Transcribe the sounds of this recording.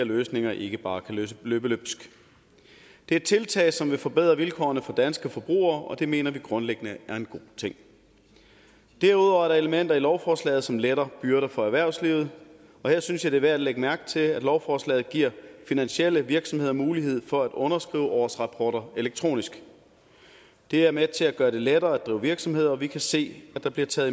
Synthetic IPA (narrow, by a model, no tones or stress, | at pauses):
ɐløːsne̝ŋɐʔe̝ɡ̥əb̥ɑ̈ːkʰæøløːb̥əløb̥sɡ̥ | d̥e̝ɐd̥̚t͡sʰe̝lt͡sʰɛ̰ːɪsɒ̽mʋe̝fɒ̽b̥eð̞̰ˠʁɐʋilkʰɒ̰ːnəfɒ̽d̥ænsɡ̥əfɒ̽b̥ʁṵːɐːʔɒ̽d̥e̝me̝̰ːnɐʋiɡ̥ʁɔ̽nleɡ̥ənəæɐe̝nɡ̥o̝t͡sʰe̝ŋ̰ | d̥æɐ̰uð̰ˠɒʊæɐɾɑ̈e̝ləmen̰d̥ɐilɒʊfɒːslɛ̰ːð̩ˠsɒ̽mleɾ̥ɐb̥yɐɾɐfɒ̽æɐʋæɐ̰ʊsliʊð̞̩ˠ | ɒ̽heɐ̰synsjɑ̈ɪd̥e̝ʋæɐ̰æ̥leɡ̥əmæɐɡ̥̚t͡sʰe̝læd̥lɒʊfɒːslɛ̰ːð̩ˠɡ̥iɐ̰finænɕiel̰əʋiɐɡ̥sɒ̽mhe̝ð̰ˠɒ̽muːliɦe̝ð̞̰ˠfɒ̽æd̥ɔ̽nɐsɡ̥ʁḭːʊəʔɒːsʁɑ̈pʰɒːɾ̥ɐe̝leɡ̥̚t͡sʰʁo̝̰ːnisɡ̥ | d̥e̝æɐmet͡sʰe̝læɡ̥ɶːɐɾ̥e̝leɾ̥ɐːæd̥̚d̥ʁḭːʊʋiɐɡ̥sɒ̽mhe̝ð̞̰ˠɐɒʋikʰæse̝̰ːæ̥ɑ̈b̥liɐt͡sʰɛːð̩ˠ